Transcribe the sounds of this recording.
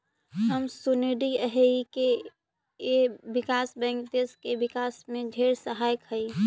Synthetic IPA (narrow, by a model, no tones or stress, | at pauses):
ɦəmsuneɖiəɦeke | ebɪkaːsbɛ̃ːŋk̚d̪eskebɪkaːsmẽd͡ʒʱeɾsəɦaːjkɦəi